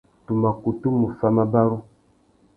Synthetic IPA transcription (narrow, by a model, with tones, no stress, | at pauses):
tu˨ma˨ku˨tu˦mu˨fa˦ma˦ba˦ɾu˦